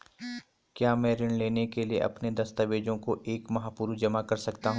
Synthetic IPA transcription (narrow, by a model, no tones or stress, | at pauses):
kjaːmɛ̃ːɾɪnleːnekeliḛʔɐ̰pned̪ɐst̪əʋeːd͡ʒõkoʔeːkmɐɦaːpuɾud͡ʒɐmakɐɾsɐkt̪aɦũː